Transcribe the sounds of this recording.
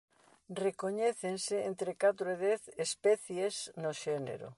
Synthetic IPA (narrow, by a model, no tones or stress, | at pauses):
rekoɲeθenseent̪ɾekat̪ɾoeðɛθespɛθjesnoʃenḛɾo̰